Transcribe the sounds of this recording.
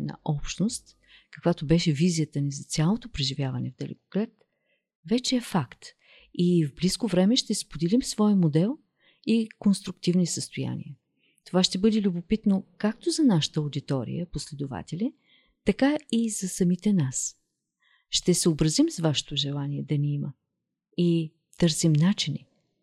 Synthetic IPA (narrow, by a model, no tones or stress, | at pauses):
nɐ̰ʔɔpʃt̪nost̪ | kɐkvat̪obɛʃɛvizijət̪ənizɐt̪sʲalˠot̪opɾɛʒivʲjavɐnɛ̰vd̪ɛlɛ̰ko̥klɛt̪ | vɛt͡ʃɛɛfakt̪ | ivbliskovɾɛmɛʃt̪ɛspod̪ɛlimsvɔjəmod̪ɛlˠ | ikonst̪ɾukt̪ivnisəst̪oja̰nʲḭə | t̪ovaʃt̪ɛbɤd̪ɛlʲubopit̪nokak̚t̪ozɐnaʃə̥t̪əod̪it̪ɔɾḭjəposlɛd̪ʊva̰t̪ɛlʲi | t̪ɐkaizɐsɐmit̪ɛnas | ʃt̪ɛsɛobɾɐzimsvaʃɛ̥t̪oʒɛlˠaniɛd̪ɐniimə | i | t̪ɤɾsimnat͡ʃini